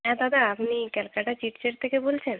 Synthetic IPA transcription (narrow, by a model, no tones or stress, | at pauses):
ɦɛ̃d̪ad̪aapnikɛlkaʈat͡ɕiʈt͡ɕeɾt̪ʰekebolt͡ɕʰen